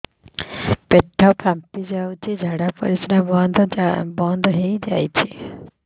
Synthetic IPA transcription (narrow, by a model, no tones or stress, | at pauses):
peʈʰːapʰampid͡ʒawt͡ʃʰid͡ʒʱaɽapɔ̰ɾisɾabɔnd̪bɔnd̪ʱɔɦejd͡ʒajt͡ʃʰi